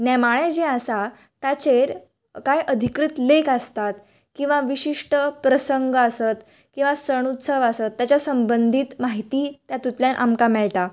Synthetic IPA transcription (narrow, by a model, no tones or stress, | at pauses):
nɛmaɭ̃ed͡ʑẽasa | t̪at͡ɕeɾ | kajʔəd̪ʱikɾut̪lekast̪at̪ | kĩw̃ʋaʋiɕiʂʈəpɾəsəŋɡəasət̪ | kĩw̃ʋasəɽ̃ut̪səʋasət̪ːjat͡ɕjasəmbənd̪ʱiːt̪maɦit̪iːt̪jat̪ut̪ljanʔa̰mkamɛɭʈa